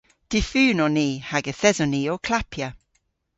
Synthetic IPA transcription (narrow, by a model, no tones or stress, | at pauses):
d̥ɪfʉːnɔniːhaɡəθɛzɔniːɔkʰlapʰja